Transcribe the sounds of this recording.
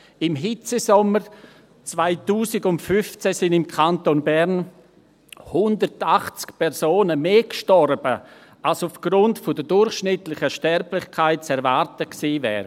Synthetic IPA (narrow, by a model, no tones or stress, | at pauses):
ɪmɦɪt͡səsɔməɾ | t͡svaɪtuːsɪɡʊntfʏft͡sɛsɪnɪmkʰantonbɛɾn | hʊndətaχt͡skpʰɛɾsoːnəmeːkʃtɔɾbə | alsʊfɡ̥ɾʊntfʊdədʊɾχʃnɪtlɪçəʃtɛɾplɪχkʰaɪt̚t͡sɛɾvaɾtəksiːvɛ̰ːɾ